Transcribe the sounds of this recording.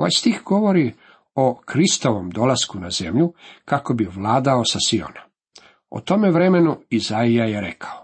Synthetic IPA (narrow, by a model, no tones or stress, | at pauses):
oʋa̰jst̪ixɡoʋo̞ɾi | okɾist̪o̞ʋomd̪o̞laskunaze̞̰mʎukako̞biʋlˠaːd̪aosasio̰na | o̰t̪o̞meʋɾe̞me̞nuizaijajeɾe̞kʰḁo